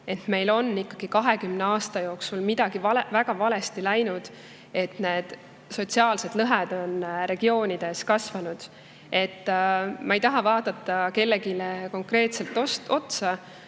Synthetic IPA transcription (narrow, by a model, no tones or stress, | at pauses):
e̞t̪ːme̞jlo̞nːikːɑɡ̥ikɑɦe̞kymneɑːst̪ɑjo̞ːksulmid̪̥ɑɡ̥ivɑvæɡ̥ɑvɑle̞st̪ilæjnud̪̥ | e̞t̪ne̞ːd̪̥ | so̞t̪siɑːlse̞d̪̥lɤɦed̪̥o̞nɾe̞ɡ̥io̞ːnʲid̪̥e̞skɑsvɑnud̪̥ | e̞t̪ːmɑejt̪ɑɦɑvɑːd̪̥ɑt̪ˑːɑke̞lːeɡileko̞ŋkre̞ːt̪se̞lt̪ːˑo̞st̪o̞t̪sɑ